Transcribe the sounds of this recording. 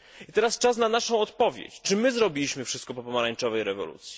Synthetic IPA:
it̪ɛɾast͡ʂas̬nanaʂɔ̃w̃ɔt̪pɔvʲjḛt͡ɕt͡ʂɘmɘzɾɔbʲilʲiɕmɘfʂɘst̪̚kɔpɔpɔmaɾaɲt͡ʂɔvɛjɾɛvɔ̰lṵt̪sʲji̥

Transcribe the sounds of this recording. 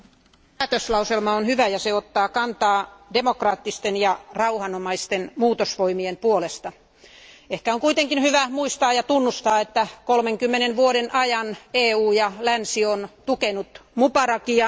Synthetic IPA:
æːt̪øslɑuselmɑonhyʋæjɑseot̪ːɑːkɑnt̪ɑːdemokrɑːt̪ːist̪enjɑrɑuhɑnomɑist̪enmuːt̪osʋoimiempuolest̪ɑ | ehkæoŋkuit̪eŋkinhyʋæmuist̪ɑːjɑt̪unːust̪ɑːet̪ːækolmeŋkymːenenʋuoɾenʔɑjɑneːuːjɑlænsiont̪ukenut̪mupɑrɑkijɑ

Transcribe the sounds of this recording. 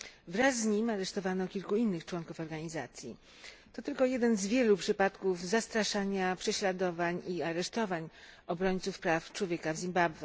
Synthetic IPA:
vɾasːɲimaɾɛʂt̪ɔvanɔkʲilkuinːɘxt͡ʂwɔnkufɔɾɡaɲiza̰t̪sʲjḭ | t̪ɔt̪ɘlkɔjɛd̪ɛnzvʲjɛlupʂɘpat̪kufzast̪ɾaʂaɲapʂɛɕlad̪ɔvaɲiaɾɛʂt̪ɔvaɲɔbɾɔɲʲt̪sufpɾaft͡ʂwɔvʲjɛkavzʲimbabwɛ

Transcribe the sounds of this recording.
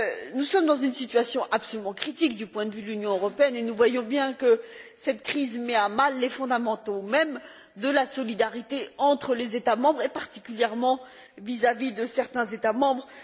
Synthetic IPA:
nusɔmd̪ɑ̃zynsit̪ɥasjɔ̃ʔapsɔlymɑ̃kχit̪ik̚d̪ypwɛ̃d̪əvyd̪əlynjɔ̃øʁɔpeɛnenuvwajɔ̃bjɛ̃kəsɛt̪kχizmɛamalːefɔ̃d̪amɑ̃t̪omɛm | d̪əlasɔlid̪aʁit̪eɑ̃t̪χəlezet̪amɑ̃bʁepaʁt̪i̥kʲyljɛʁmɑ̃ | vizavid̪əsɛʁt̪ɛ̃zet̪amɑ̃bʁ

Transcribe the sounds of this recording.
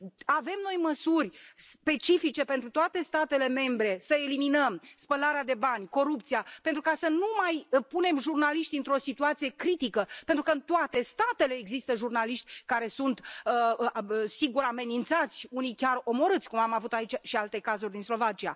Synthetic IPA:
ave̞mno̞jməsurʲspe̞t͡ʃifit͡ʃe̞pent̪ɾut̪oat̪e̞st̪at̪e̞le̞me̞mbɾe̞səe̞liminəmspəlaɾead̪e̞banʲko̞ɾup̚t̪sijape̞nt̪ɾukasənumajpune̞mʒurnaliʃt̪iɨnt̪ɾo̞sit̪uat̪sije̞kɾit̪ikəpe̞nt̪ɾukəɨnt̪oat̪e̞st̪at̪e̞le̞ːɡzist̪əʒurnaliʃt̪ʲkaɾe̞sunt̪ə | siɡuɾame̞nint̪sat̪sʲunijkʲaro̞mo̞ɾɨt̪sʲkumamavut̪ait͡ʃʃialt̪e̞kazurʲd̪inslo̞vat͡ʃia̰

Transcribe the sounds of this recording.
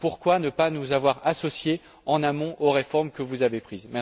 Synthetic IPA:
puʁkwanəpanuzavwaʁasɔsje | ɑ̃namɔ̃ʔoʁefɔʁmkəvuzavepχizmɛ

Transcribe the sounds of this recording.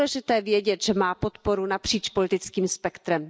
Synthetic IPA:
lɛʒɪt̪ɛːvjɛɟɛt̪ʒ̥ɛmaːpot̪po̞ɾunapr̝̥iːt͡ʃpolɪt̪ɪt͡skiːmspɛkt̪ɾɛm

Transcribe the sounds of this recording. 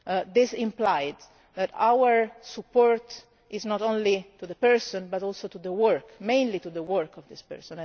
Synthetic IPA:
d̪ɪsɪ̃mplajd̪ | d̪ɛt̪a̰wəɹsupːɔɹt̪ | ʔɪznɔt̪õnlit̪ud̪əpɛɹsɔ̃nbat̪ɔlsot̪ud̪əwəɹkmẽj̃nlit̪ud̪əwəɹkɔvd̪ispɛ̰ɹsɔ̃n

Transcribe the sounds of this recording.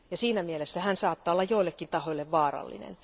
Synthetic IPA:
jɑsiːnæmielesːæhænsɑːt̪ːɑːolːɑjjoilːˑekːint̪ɑhoilːeʋʋɑːrɑ̰lːḭnḛn

